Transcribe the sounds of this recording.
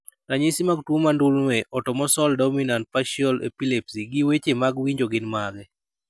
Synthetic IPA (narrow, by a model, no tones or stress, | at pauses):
taɲesimaɡtwomandulnwɛʔɔtɔmɔsɔldɔminant̚paʃɔlḛpilepsiɡiwet͡ʃemaɡwiɲd͡ʒoɡɪnmaɡɛ